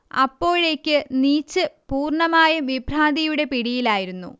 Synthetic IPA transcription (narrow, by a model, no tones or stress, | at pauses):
ɐ̰pːo̞ːɻe̞ːkʲːɨniːt͡ɕːɨpuːrɳɐmaːjɐmʋibʱraːnd̪ijuɽe̞piɽijilaːjiɾunːṵ